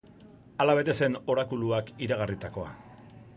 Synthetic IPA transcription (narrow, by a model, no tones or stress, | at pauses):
alaβe̞t̪e̞se̞no̞ɾakuluakiɾaɣ̞arit̪ako̞a̰